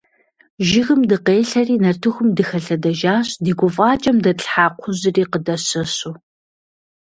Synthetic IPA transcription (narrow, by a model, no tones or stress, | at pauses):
ʒɪɣɨmdɨqeːɬɐriːnɐrtʰɨxʷʊmdɨxɐɬɐdɐʒaːɕdiːɡʷʊfʼaːt͡ʃʼɐmdɐɬħaːqʷʰʊzɨriːqədɐɕɐɕuː